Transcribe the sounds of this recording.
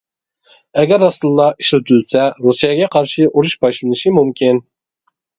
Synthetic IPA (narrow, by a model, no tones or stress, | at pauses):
ɛɡʲɛɾɑst̪ɨlˠːɑʔiʃlɨt̪ʰylsɛɾusijɑɡʲɛqʰɑɾʃiʔuɾuʃbɑʃlˠɨnɨʃimumkʲʰin